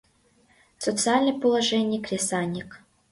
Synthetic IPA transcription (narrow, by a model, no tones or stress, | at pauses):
sɔt̪sɨalʲnəjpəlˠɐʐɛnʲɪjkɾʲɪsanʲɪk